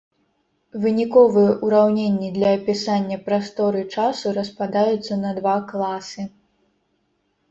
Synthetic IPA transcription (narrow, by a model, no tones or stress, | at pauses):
vɨnʲikɔvɨjɛʔuɾawnʲenʲːid̪lʲɐːpʲisanʲːɐpɾast̪ɔɾɨt͡ʂasuɾɐspad̪ajut̪sːɐnɐd̪vaklˠasɨ